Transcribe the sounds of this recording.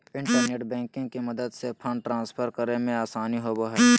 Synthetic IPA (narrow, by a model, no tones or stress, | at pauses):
ɪ̃ɳʈəɾneːʈbɛ̃ːŋkɪ̃ŋɡkimɐd̪əd̪sepʰə̃ɳɖʈːɾãːnspʰəɾkəɾemẽaːsaːniɦoboɦɛɛː